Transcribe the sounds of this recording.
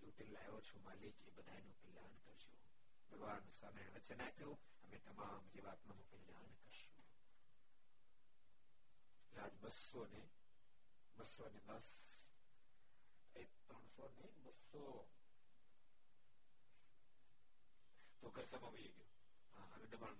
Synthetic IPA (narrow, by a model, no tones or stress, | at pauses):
luːʈinlaːjot͡ʃʰumaːlikebəd̪ʱajnũkɪlaːnkəɾd͡ʒoː | bʱəɡʋaːnsaːmeɾeɳ̃eʋət͡ʃenakəjõ | əmẽt̪ɐmaːmd͡ʒeʋaːt̪mãnõkilaːnkəɾʃũ | laːd͡ʒbəsːone | bəsoned̪əs | e | pɾəɳ̃sonebəsːo | t̪oɡʱəɾsəmãʋijeɡəjo | ɦãəʋẽɖəbəɳ